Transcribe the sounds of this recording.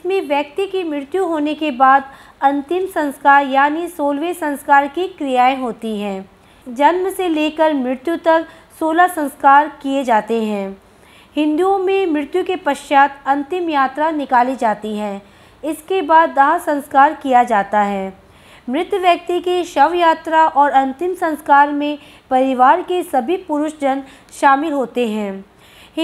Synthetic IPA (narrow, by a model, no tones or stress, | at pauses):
ɪsmẽʋjək̚t̪ikimɾɪɾɪt̪juɦoːnekebaːd̪ | ɐ̃nt̪ɪmsɐ̃nskaːɾjaːnisoːlʋesɐ̃nskaːɾkikɾɪjaːẽɦoːt̪iɦɛ̃ː | d͡ʒɐnməseleːkəɾmɾɪɾɪt̪jut̪ɐk | soːlasɐ̃nskaːɾkied͡ʒaːt̪eɦɛ̃ː | hɪ̃nd̪uõmẽmɾɪt̪jukepɐʃjaːt̪ɐ̃nt̪ɪmjaːt̪ɾanɪkaːlid͡ʒaːt̪iɦɛ̃ː | ɪskebaːd̪ːɐɦasɐ̃nskaːɾkijad͡ʒaːt̪aɦɛː | mɾɪt̪jəʋjɐk̚t̪ikeʃɐʋjaːt̪ɾaʔɔːɾɐ̃nt̪ɪmsɐ̃nskaːɾmẽ | pɐɾɪʋaːɾkesɐbʱipʊɾʊʃd͡ʒɐn | ʃaːmɪlɦoːt̪eɦɛ̃ː